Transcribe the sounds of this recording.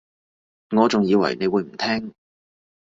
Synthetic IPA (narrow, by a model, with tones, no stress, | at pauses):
ŋɔː˨˧t͡sʊ˨ŋjiː˨˧wɐ̰˨˩jne˨˧jwuː˨˧jm̩˨˩t̪ʰɛː˥ŋ